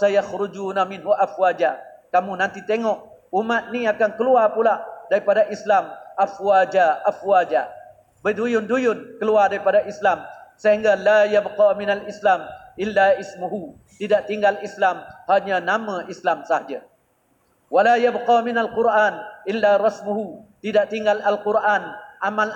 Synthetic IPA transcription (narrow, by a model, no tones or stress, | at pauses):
sajaxɾʊd͡ʒuːnamɪnɦuʔafwad͡ʒa | kamunant̪it̪eŋɔʔ | umat̪̚niakankəluarpulaʔdaɾipadaʔislamʔafwad͡ʒaʔafwad͡ʒa | bədujʊndujʊnkəluardaɾipadaʔislamsəhiŋɡalajabqaminalislamʔɪlːaismuɦu | t̪idaʔt̪iŋɡalislamhaɲanamãʔislamsahad͡ʒa | walajabqaminalqʊɾʔanʔilːarɑsmuɦut̪idaʔt̪iŋɡalalquɾʔanʔamal